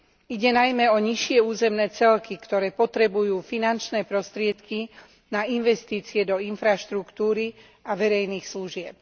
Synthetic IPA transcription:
iɟɛnajmɛɔɲiʃɪɛuːzɛmnɛːt͡sɛlkikt̪ɔɾɛːpɔt̪ɾɛbujuːfinant͡ʃnɛːpɾɔst̪ɾɪɛt̪ki | nainʋɛst̪iːt͡siɛd̪ɔinfɾaʃt̪ɾukt̪uːɾi | aʋɛɾɛjniːxsluʒɪɛp̚

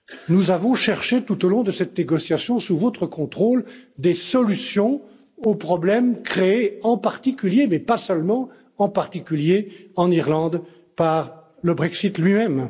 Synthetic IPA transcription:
nuzavɔ̃ʃɛʁʃet̪ut̪olɔ̃d̪əsɛt̪neɡɔsjasjɔ̃suvot̪χəkɔ̃t̪χold̪esɔlysjɔ̃ | opχɔblɛmkχeːɑ̃paʁt̪ikʲyljemɛpasəlmɑ̃ | ɑ̃paʁt̪ikʲyljeɑ̃niʁlɑ̃d̪ | paʁ | ləbʁɛksit̪lɥimɛm

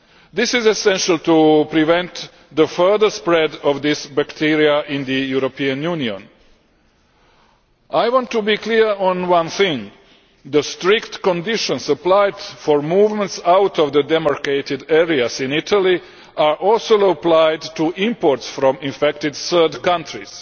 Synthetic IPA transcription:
d̪ɪsɪzɛsɛ̃nʃalˠt̪upɾiʋɛ̃nt̪ | d̪əfɜ˞d̪əspɾɛd̪ɔʋd̪ɪsbakt̪ʰiɾiaʔĩnd̪əjuɾopiãnjuniõn | ajʋɔ̃nt̪ːubikliɹɔ̃nwãnθĩŋɡ | d̪əstɾɪkt̪kõndiʃɔ̃nsəplajd̪foɹmuːvmɛ̃ntsawt̪ɔʋd̪əd̪ɛmaɾkeɪt̪ɪd̪ɛɾiasĩnit̪ʰali | aɹʔɔlsoəplajd̪tuʔĩmpoɾt̪sfɾɔ̃mĩɱfɛkt̪ɪd̪səːd̪kãntɾis

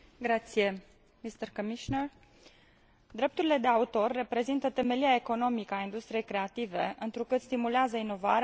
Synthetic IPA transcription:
ɡɾat̪sije̞ | mist̪ərkomiʃoner | d̪ɾe̞pt̪uɾile̞d̪e̞aut̪o̞rːe̞pɾe̞zint̪ət̪e̞me̞liae̞ko̞no̞mikəaind̪ust̪ɾije̞jkɾe̞at̪ive̞̰ɨnt̪ɾukɨt̪st̪imuleazəino̞va̰ɾe

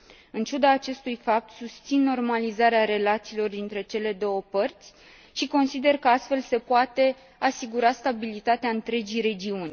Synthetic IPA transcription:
ɨnt͡ʃud̪aːt͡ʃe̞st̪ujfap̚t̪sust̪sinːo̞rmalizaɾeaɾe̞lat̪siːlo̞rd̪int̪ɾe̞t͡ʃe̞le̞d̪o̞wəpərt̪sʲ | ʃiko̞nsid̪e̞rkəast̪fe̞lse̞puat̪e̞ | asiɡuɾast̪abilit̪at̪eaɨnt̪ɾe̞d͡ʒijɾe̞d͡ʒiunʲ

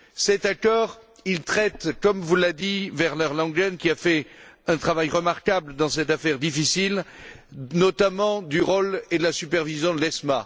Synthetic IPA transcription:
sɛt̪akɔʁ | ilt̪χɛt̪kɔmvulad̪ivɛʁlœʁlɑ̃ɡɛnkʲiafɛɛ̃t̪χavajʁəmaʁkabləd̪ɑ̃sɛt̪afɛʁd̪ifisil | nɔt̪amɑ̃d̪yʁoled̪əlasypɛʁvizjɔ̃d̪əlɛsma

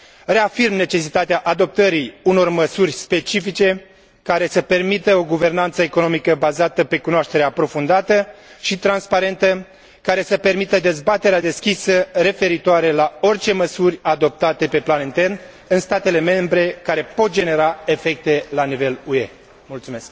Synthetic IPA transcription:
re̞afirmne̞t͡ʃe̞sit̪at̪eaʔad̪o̞p̚t̪əɾiuno̞rməsurʲspe̞t͡ʃifit͡ʃe̞ | kaɾe̞səpe̞rmit̪əo̞ɡuve̞rnant̪səeko̞no̞mikəbazat̪əpe̞kunoaʃt̪e̞ɾeapɾo̞fund̪at̪əʃit̪ɾanspaɾe̞nt̪ə | kaɾe̞səpe̞rmit̪əd̪e̞zbat̪e̞ɾead̪e̞skʲisəre̞fe̞ɾit̪oaɾe̞lao̞rt͡ʃe̞məsurʲad̪o̞p̚t̪at̪e̞pe̞planɨnt̪e̞rn | ɨnst̪at̪e̞le̞me̞mbɾe̞kaɾe̞po̞t̪̚d͡ʒe̞ne̞ɾae̞fe̞k̚t̪e̞lanive̞lue̞ | mult̪sume̞sk

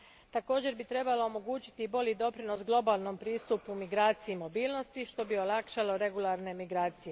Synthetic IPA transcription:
t̪ako̞ːd͡ʑe̞ɾbit̪ɾe̞balo̞omo̞ɡuːt͡ɕi̥t̪ibo̞lʲʎid̪o̞pɾino̞sɡlˠo̞baːlˠno̞mpɾiːst̪upumiɡɾaːt̪sijimo̞biːlˠno̞st̪iʃt̪o̞bio̞lˠakʃalo̞ɾe̞ɡulˠaɾne̞miɡɾaːt̪sije̞

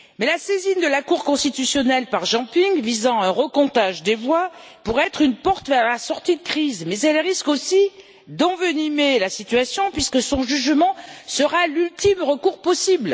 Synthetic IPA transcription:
mɛlasezind̪əlakuʁkɔ̃st̪it̪ysjɔnɛlpaʁʒɑ̃piŋvizɑ̃ɛ̃ʁəkɔ̃t̪aʒd̪evwa | puʁɛt̪χynpɔʁt̪vɛʁlasɔʁt̪id̪əkχizmɛzɛlʁiskosi | d̪ɑ̃vønimelasit̪yasjɔ̃pɥiskəsɔ̃ʒyʒmɑ̃səʁalylt̪imʁəkuʁpɔsibl

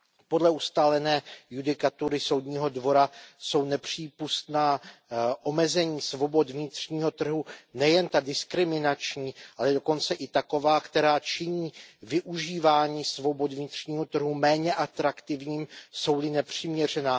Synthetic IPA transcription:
po̞dlɛust̪aːlɛnɛːjudɪkat̪uɾɪso̞wdɲiːɦo̞dvo̞ɾaso̞wnɛpr̝̥iːpust̪naːʔo̞mɛzɛɲiːsvo̞bo̞t̪vɲɪt̪r̥ɲiːɦo̞t̪r̩ɦunɛjɛnt̪adɪskɾɪmɪnat͡ʃɲiːʔalɛdo̞ko̞nt͡sɛʔɪt̪ako̞vaːkt̪ɛɾaːt͡ʃɪɲiːvɪʔuʒiːvaːɲiːsvo̞bo̞d̪vɲɪt̪r̝̥ɲiːɦo̞t̪r̩ɦumɛːɲɛʔat̪ɾakt̪ɪvɲiːmso̞wlɪnɛpr̥ɪmɲɛr̝ɛnaː

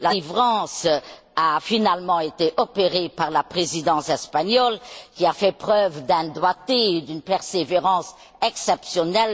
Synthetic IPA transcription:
laivʁɑ̃s | afinalmɑ̃et̪eʔɔpeʁepaʁlapχezid̪ɑ̃sɛspaɲɔlkʲiafɛpχœvd̪ɛ̃d̪wat̪eed̪ynpɛʁseveʁɑ̃s | ɛksɛpsjɔnɛl

